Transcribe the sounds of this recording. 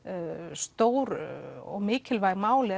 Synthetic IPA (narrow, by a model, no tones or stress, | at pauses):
st̪oːwɾɔɣmɪːcɪlvaːjɣmaːwlɪ